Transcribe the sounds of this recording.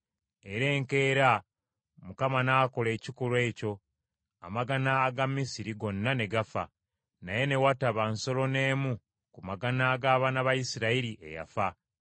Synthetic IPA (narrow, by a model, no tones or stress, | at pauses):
e̞ɾe̞ːŋke̞ːɾa | mukamanaːko̞le̞ːcikulwe̞ːco̞ | a̰maɡanaːɡamːisiɾiɡo̞nːane̞ɡafa̰ | naje̞ne̞wataβanso̞lo̞ne̞ːmu | kumaɡanaːɡaːβaːnaβajisiɾaiɾiʔe̞̰ja̰fa